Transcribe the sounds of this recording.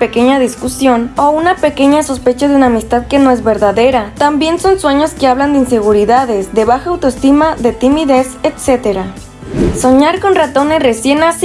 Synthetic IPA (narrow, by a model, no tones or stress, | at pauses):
peke̞ɲaðiskusjo̞nounape̞ke̞ɲaso̞spe̞t͡ʃaðunaːmist̪aðke̞no̞e̞zβe̞ɾðaðe̞ɾat̪ambje̞nso̞nswe̞ɲo̞skeaβ̞land̪einse̞ɣuɾiðaðe̞zd̪e̞βaxaːwt̪oest̪imaðet̪imiðe̞set̪se̞t̪e̞ɾa | so̞ɲaɾko̞nrat̪o̞ne̞sre̞sje̞nas